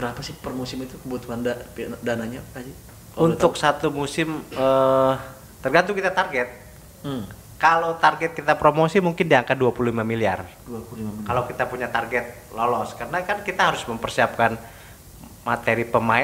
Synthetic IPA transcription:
b̥əɾapasɪhpərmusɪmit̪ukəbuat̪uandadanaɲapkad͡ʒi | unt̪ʊk̚sat̪umusɪmə | t̪ərɡant̪̬ʊŋkit̪at̪arɡɛt̪̚ | kalowt̪arɡɛt̪̚kit̪apɾomosimuŋkɪndiaŋkat̪̚duapululimamilia̰rdapukalakit̪apuɲat̪arɡɛt̪̚ | lolɔskarənakankit̪aɦaɾʊsməmpərsiap̚kan | mat̪eɾipəmaɪ

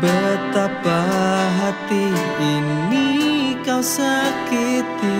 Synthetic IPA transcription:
bət̪apaɦat̪iːnnikawsakɪt̪i

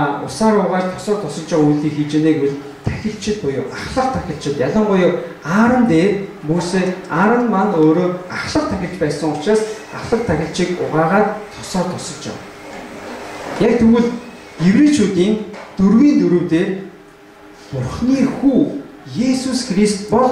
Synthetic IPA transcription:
ʊ̰saːɾʊːʁaːrt̪ʰɔsɔːt̪ʰɔsɞ̆ɮt͡ɕaʁujɮiːŋxiːt͡ɕeːneːkuɮ | t̪ʰæ̥xʲɪ̆ɬt͡ɕʰɪ̆t̪̚pʊjʊwʔaχɮə̆q̚t̪ʰːæxʲɪ̆ɬt͡ɕɪ̆t̪jaɮə̆ɴɢʊjʊ̆w | aːɾə̆nt̪eːrmuːseːaɾə̆nmanoːɾoːnaχɮə̆q̚t̪ʰːæxʲɪ̆ɬt͡ɕpæːsə̆ŋʊt͡ɕraːs | aχɮə̆q̚t̪ʰːæxʲɪ̆ɬt͡ɕiːkʊʁaːʁaːt̪ʰːɔsɔːt̪ʰɔsɞ̆ɮt͡ɕa̰w | jak̚t̪ʰɵɣɘ̆ɮ | jewɾet͡ɕʰuːt̪iːnt̪urɣiːnt̪uɾŭwt̪eːr | pʊrχniːxuːjesusxrist̪pɔɮ

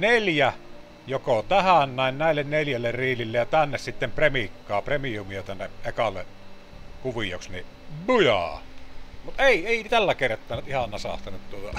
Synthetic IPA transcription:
neljæ | jokot̪æhænnæˑennæˑelːenneljælːerriːlilːejjɑt̪ænːessit̪ːempremikːɑːpremiumijot̪ænːeʔekɑlːḛʔ | kuʋijˑoksni | mujɑ̰ | mut̪eˑieˑit̪ælːækert̪ːˑɑːnˑet̪ʔihɑnːɑsɑ̰st̪ɑnet̪t̪uot̪ɑ̰

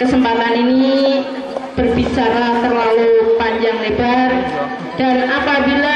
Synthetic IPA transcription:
kəsəmpat̪anini | b̥ərbit͡ʃaɾat̪ərlalupaɲd͡ʒaŋlebar | d̥anapabila

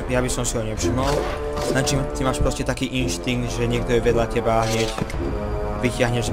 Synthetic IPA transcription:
jabisɔmsiɦɔɲɛpʃimɔl | nat͡ʃimt̪imaːʃpɾɔscɛt̪akiːʔinʃt̪iŋɡd̪ʒɛɲɪɛk̚t̪ɔjɛʋɛd̪ʎacɛbaɦɲɪɛc | ʋicɪaɦɲɛʒ

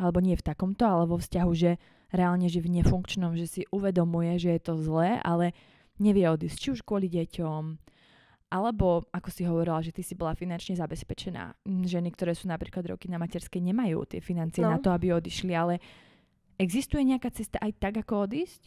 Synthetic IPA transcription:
alɛbɔɲɪɛft̪akɔmt̪ɔalɛʋɔfscaɦuʒɛ | ɾɛalɲɛʒɛvɲɛfuŋkt͡ʃnɔmʒɛsiʔuʋɛd̪ɔmujɛʒɛjɛt̪ɔzlɛːʔa̰lɛ | ɲɛʋɪɛɔd̪iːsct͡ʃiuʃkwʊɔliɟɛcɔm | ʔalɛbɔakɔsiɦɔʋɔɾilaʒɛt̪isibɔlafinant͡ʃɲɛzabɛspɛt͡ʃɛna̰ːʒɛnikt̪ɔɾɛːsuːnapɾiːklad̪ɾɔ̰kinamacɛɾskɛɲɛmajṵːt̪ɪɛ̰finant͡sijɛnat̪ɔabiɔd̪iʃlialɛ | ɛɡzist̪ujɛɲɛakaːt͡sɛst̪aʔajt̪aɡakɔɔd̪iːsc

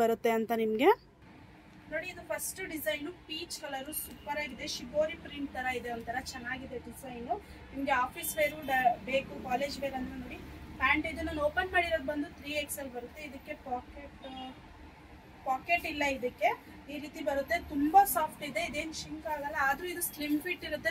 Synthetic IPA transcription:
bɐɾut̪ːe̞ɐnt̪ɐnimɐɡe̞ | no̞ːɽiid̪upʰɐsʈuɖizɐjnupiːt͡ʃkʰɐlɐɾusuːpɐɾaːɡid̪e̞ʃiboːɾipɾiɳʈ̚t̪ɐɾɐid̪eɐnt̪ʰɐɾɐt͡ʃɛnːaːɡid̪e̞ɖizɐjnu | nimɐɡe̞aːpʰisʋeːɾuɖɐbeːkukaːle̞ːd͡ʒbeːɾɐnd̪ɾeno̞ːɽiaːɳɖid̪unːɐnoːpɐnmaːɽiɾoːd̪̚bɐnd̪ut̪ʰɾiːeksɐlːbɐɾut̪ːe̞id̪ɐkːe̞paːkeʈ | paːkeʈilːɐid̪ɐkːe̞ | iːɾiːt̪ibɐɾut̪ːe̞t̪umbɐsaːpʰʈid̪e̞id̪e̞ːnʃiŋkaːɡɐlːɐːd̪ɾuid̪uslimpʰiʈːiɾut̪ːe

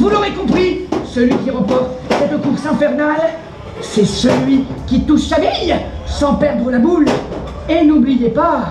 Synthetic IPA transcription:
vuloʁekɔ̃pχisəlɥikʲiʁə̃pɔʁt̪sɛt̪okuʁsɛ̃fɛʁnal | sɛsəlɥikʲit̪uʃsavjɛjsɑ̃pɛʁd̪ʁəlabul | enublijepa

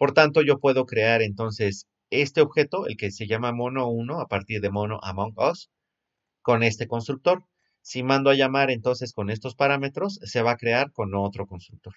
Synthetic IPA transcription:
po̞ɾt̪ant̪o̞ʝo̞pwe̞ðo̞kɾe̞aɾe̞nt̪o̞nse̞s | e̞st̪e̞o̞βxe̞t̪o̞ḛlke̞se̞ʝamamo̞no̞uno̞apaɾt̪iɾðe̞mo̞no̞̰ʔamõŋkoks | ko̞ne̞st̪e̞ko̞ns̬t̪ɾuk̚t̪o̞ɾ | simãnd̪oaʝamaɾe̞nt̪o̞nse̞sko̞ne̞st̪o̞spaɾame̞t̪ɾo̞sːe̞β̞akɾe̞aɾko̞no̞t̪ɾo̞ko̞nst̪ɾuk̚t̪o̞ɾ

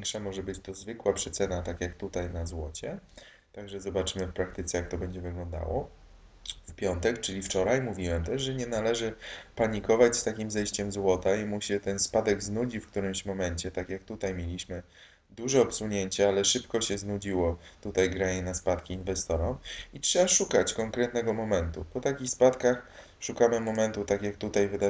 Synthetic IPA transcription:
vʲjɛŋkʂamɔʐɛbɘt͡ɕt̪ɔzvɘkwapʂɛt̪sɛnat̪akjakt̪ut̪ajnazwɔt͡ɕɛ | t̪aɡʐɛzɔbat͡ʂɘmɘfpɾak̚t̪ɘt̪sɛjak̚t̪ɔbɛɲd͡ʑɛvɘɡlɔnd̪a̰wɔ̰ | fpʲjɔnt̪ɛkt͡ʂɘlʲift͡ʂɔɾajmuvʲiwɛmt̪ɛʂʐɛɲɛnalɛʐɘpaɲikɔvat͡ɕst̪akʲimzɛjɕt͡ɕɛmzwɔt̪aimuɕɛt̪ɛnspad̪ɛɡznud͡ʑifkt̪uɾɘmɕmɔmɛɲt͡ɕɛt̪akʲjak̚t̪ut̪ajmʲjelʲiɕmɘ | d̪uʐɛɔpsuɲeɲt͡ɕɛalɛʂɘpkɔɕɛznud͡ʑiwɔt̪ut̪ajɡɾaɲɛnaspat̪kʲiːnvɛst̪ɔɾɔitʂɛbaʂukat͡ɕkɔŋkɾɛt̪nɛɡɔmɔmɛnt̪upɔt̪akʲixspat̪kax | ʂukamɘmɔmɛnt̪ut̪akʲjakt̪ut̪ajvɘd̪a

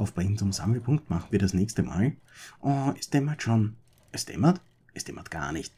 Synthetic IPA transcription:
aʊfb̥ʁɪŋn̩t͡sʊmza̰ml̩pʰʊŋktmaχn̩viːɐɾɐsnɛːçstəma̰ːl | ʔʊ̃ɛstɛmɐtʃon | ʔɛstɛ̰mɐt | ʔɛstɛ̰mʔɐtɡ̥a̰ːɐnɪçt

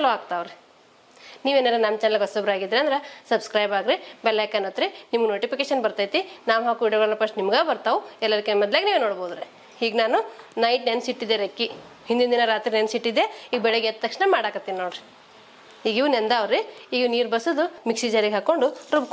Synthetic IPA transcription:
ɐloaːɡt̪aːʋɾe | niːʋeːnɐd̪enɐmt͡ʃɛnelɡɔsobɾaːɡid̪ɾiɐnd̪ɐɾesɐbskɾɐjbaːɡɾibɛlekːɐnɐt̪ɾenimuɡnoːʈipikeːʃɐnbɐɾt̪aːjt̪inaːʋɦaːkuʋiːɖijɔɡɭɐlːɐpɾɐʂʈnimɡaːbɐɾt̪aʋuɛlːɐɾikːemɐd̪ljaːɡeniːʋenoɽboːud̪ɾe | hiːɡnaːnunɐjʈnensiʈːid̪eɾekːi | hind̪ind̪inɐɾaːt̪ɾinensiʈːid̪ːeiːɡbɛɭeɡɛt̪t̪ːɐkʂnɐmaːɽaːkɐt̪ːinnoːɖɾe | iːɡiʋunend̪aːʋɾeiːɡiniːɾbɐsod̪umiksid͡ʒaːɾiɡɦaːkoɳɖuɾubk

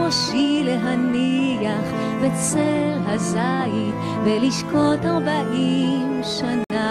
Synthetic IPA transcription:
oʃileɦanijaχ | vɛt͡sɛʁɦazaji | veliʃkot̪ɑ̃baʔim | ʃana

